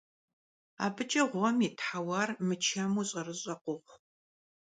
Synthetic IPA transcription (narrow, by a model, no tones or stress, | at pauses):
a̰ːbɨt͡ʃʼɐʁʷɔmiːtʰħawɑːrmɨt͡ʃʰɐmuːɕʼɐrɨɕʼɐqʷʊχʷ